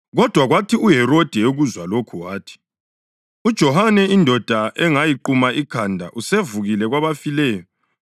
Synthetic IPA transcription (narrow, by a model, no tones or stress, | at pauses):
ɣɔd̥ʱwaɣwatʰiuɦɛɾod̥ʱɛoɣuzwalokʰuwaːtʰi̥ | ud̥ʒ̥ʱɔhanɛindʱɔd̥ʱaʔɛŋajiǃumaʔikʰandʱa̰ʔusevuɣilɛɣwaβafilɛːjɔ